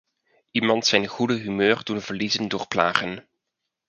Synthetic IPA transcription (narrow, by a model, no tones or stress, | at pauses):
ʔimɑntsɛjnχudəɦymøːrdunvəɹlizəndʊːɹpla̰ːχən